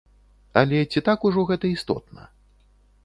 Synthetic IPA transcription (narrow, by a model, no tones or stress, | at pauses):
ɐlʲɛt͡sʲit̪akuʐɔɣɛt̪ɐist̪ɔ̰t̪nɐ̰